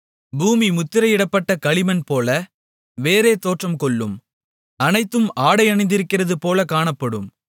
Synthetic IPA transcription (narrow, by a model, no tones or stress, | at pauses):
buːmimʊt̪ːɪɾɐjɪɽɐpːɐʈːɐkɐɭɪmɐnpoːlɐ | ʋeːɾeːt̪oːʈrɐmkɔɭːɯm | ɐnɐɪt̪ːɯmaːɽɐɪɐnɐɪnd̪ɪɾɯkːɪrɐðɯpoːlɐkaːɳɐpːɐɽɯ̰m